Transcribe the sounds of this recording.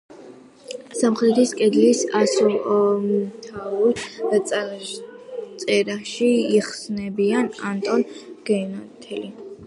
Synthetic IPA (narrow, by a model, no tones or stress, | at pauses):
samχɾɛd̪ɾiskʼɛd̪lisasulmt̪ʰauɾʼ | t̪sʼɛɾaʃiːχsnɛbianant̪ʼɔnɡ̥ɛnat̪ʰɛli